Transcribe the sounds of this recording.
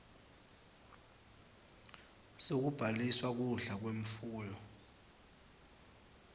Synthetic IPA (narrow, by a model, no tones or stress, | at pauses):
sok̬ub̥ʱaliswak̬uɬak̬weɱ̩fuːjɔ